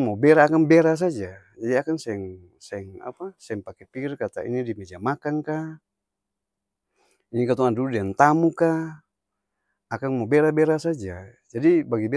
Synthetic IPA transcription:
mɔbɛɾaːkaŋbɛɾas̬ad͡ʒa | d͡ʒadiakaŋsɛŋ | sɛɛŋa̰pasɛŋpakɛpirkat̪a̰ḭnidimɛd͡ʒamakaŋka | inikat̪ɔŋanduludiant̪amuka | kaŋmɔbɛɾabɛɾasad͡ʒa | d͡ʒadibaɡibɛ

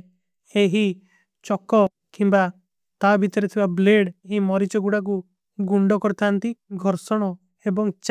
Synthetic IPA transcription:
eɦi | t͡ʃɔkɔ | kimba | t̪abʱit̪ɔɾet̪ʰibableɽɦimɔɾit͡ʃɔɡuɽak̬u | ɡuɳɖɔkɔɾit̪ʰaːnt̪iɡʱɔɾsɔɽ̃ɔ | ebɔŋt͡ʃ

